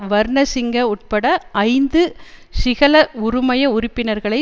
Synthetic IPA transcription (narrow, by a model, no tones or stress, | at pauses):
ʋɐɾnɐsɪŋɡɐʊʈ̚pɐɽɐɐɪnd̪ɯsɪɣɐlɐʊɾʊmɐjɐʊɾɪpːɪnɐɾɣɐɭɐɪ